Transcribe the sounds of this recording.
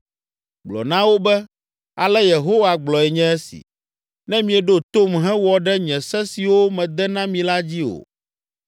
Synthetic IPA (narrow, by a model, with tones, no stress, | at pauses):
ɡ͡blɔ̰˨nã˦wo˦bɛ˦ | a˨lɛ˦je˨ɦo˦wa˨ɡ͡blɔ˨ɛ˨ɲɛ̃˦ɛ˦sḭ˨ | nɛ̃˦mĩ˦ɛ˨ɖo˦t̪o˦mɦɛ̃˦wɔ˨ɖɛ˦ɲɛ̃˨sɛ˦si˨wo˦mɛ̃˨d̪ɛ˦nã˦mĩ˨la˦d͡ʑi˦o̰˨